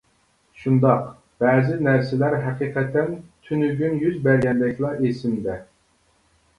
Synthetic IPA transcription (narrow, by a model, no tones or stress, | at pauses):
ʃund̪ɑq | b̥ɛːzɪnæɾsɪlæɾɦɛqiqʰɛt̪ʰɛnt̪ʰynyɡʲynjyzbɛɾɡʲɛnd̪ɛkʰʲlˠɑʔesɪmd̪ɛ